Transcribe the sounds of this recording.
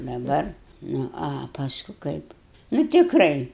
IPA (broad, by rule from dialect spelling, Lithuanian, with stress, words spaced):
dɐˈbɐr ˈnʊ ɐ pɐˈskʊ ˈkɐɪp nʊ tʲɪkˈrɐɪ